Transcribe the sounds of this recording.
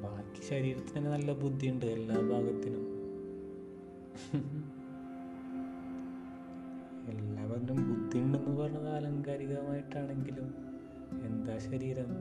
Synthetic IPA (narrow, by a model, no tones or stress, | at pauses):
baːkʲːi̥ɕɐɾiːɾɐt̪ːinɐnːenɐlːɐbud̪ʱːijuɳɖɨe̞lːaːbʱaːɡɐt̪ːinum | e̞lːaːʋɐðinumbud̪ʱːiuɳɖenːɨpɐrɐɲːɐðaːlɐŋkaːɾiɣɐɐmaːjiʈːaːɳe̞ŋɡilum | e̞nd̪aːɕɐɾiːɾɐm